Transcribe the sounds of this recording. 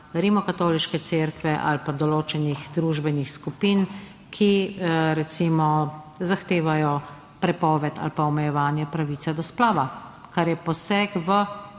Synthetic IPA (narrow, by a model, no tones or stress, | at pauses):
ɾimɔkat̪oːliʃkɛt̪seːɾkʋɛʔa̰lpad̪ɔloːt͡ʃɛnixd̪ɾuːʒbɛnixskupiːn | kʰiɾɛt̪simɔzaxt̪eːʋajɔ | pɾɛpɔːʋɛt̪ʰa̰lpaɔmɛjɛʋaːnjɛpɾaʋiːt̪sad̪ɔsplaːʋakaɾjɛpɔsɛːkʋə